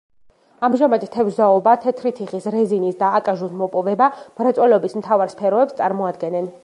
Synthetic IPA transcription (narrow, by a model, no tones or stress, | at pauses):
amʒamad̪t̪ʰɛvzaɔbat̪ʰɛt̪ʰɾit̪ʰiχisɾɛzinisd̪aːkʼaʒusmɔpʼɔvɛbam̥ɾat̪sʼwɛlɛɔbismt̪ʰavaɾspʰɛɾɔɛpst̪sʼaɾmɔad̪ɡɛnɛn